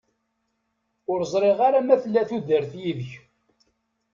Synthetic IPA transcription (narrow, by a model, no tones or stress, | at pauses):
ʊɾzˤɾˤeʁaɾamæθəlːæθuðəɾθjiðəç